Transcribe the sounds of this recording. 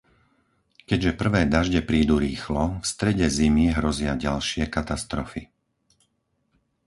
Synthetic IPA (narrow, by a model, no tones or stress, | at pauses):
kɛɟʒɛpr̩ʋɛːd̪aʒɟɛpɾiːd̪uɾiːxlɔfst̪ɾɛɟɛzimiɦɾɔzɪaɟalʃɪɛkat̪ast̪ɾɔfi